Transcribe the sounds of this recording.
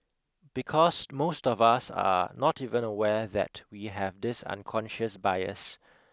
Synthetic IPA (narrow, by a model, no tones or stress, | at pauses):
b̥ikʰɔsmostɔvasa̰nɔtivə̃nəwɛðɛ̰twiɦɛvdɪsã̰nkʰɔ̃nʃəsbajə̰s